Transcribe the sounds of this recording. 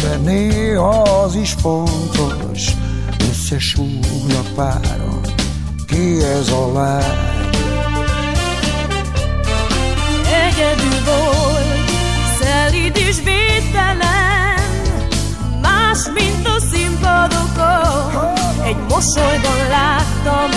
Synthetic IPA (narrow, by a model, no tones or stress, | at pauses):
d̪ɛneːɦɒziʃfont̪ol̰ | ʃ | øsːɛʃuːulɒpa̰ːɾo̰n | keːɛzɒlaː | ɛɟɛd̪ylbol | sɛlyd̪yʃveːt̪ɛlɛn | maːʃmint̪ɒsimpɔd̪oko | ɛɟmo̞sojbɒnlaːt̪ːɒm